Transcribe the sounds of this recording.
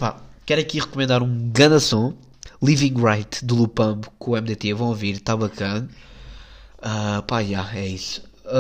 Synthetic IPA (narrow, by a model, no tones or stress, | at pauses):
pakɛɾɐkiʁɨkumẽnd̪aɾũɡɐnɐsõ | lˠivĩŋɡʁajt̪d̪ulˠupɐ̃mbukõɛmd̪et̪evɐ̃w̃oviɾt̪aβɐkɐn | apaʒaɛis